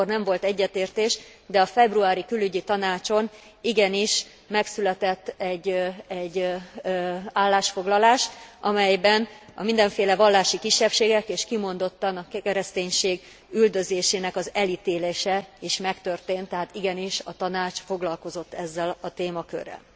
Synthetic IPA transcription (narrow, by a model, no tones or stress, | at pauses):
ornɛɱvo̞lt̪ɛɟːɛt̪eːrt̪eːʃ | d̪ɛɒfɛbruaːɾikylyɟit̪ɒnaːt͡ʃo̞n | iɡɛniʃ | mɛksylɛt̪ɛt̪ːɛɟːɛɟː | aːlːaːʃfo̞ɡlɒlaːʃʔɒmɛjbɛnɒ̰mind̪ɛɱfeːlɛvɒlːaːʃikiʃːɛpʃeːɡɛkeːʃkimo̞nd̪o̞t̪ːɒnɒkɛɾɛst̪eːɲʃeːɡ | yld̪ø̞zeːʃeːnɛkɒzɛlit̪eːleːʃɛiʃmɛkt̪ørt̪eːnt̪ːɛɦaːt̪iɡɛniʃɒt̪ɒnaːt͡ʃfo̞ɡlɒlko̞zo̞t̪ːɛzːɛlɒt̪eːmɒkø̰rːɛ̰l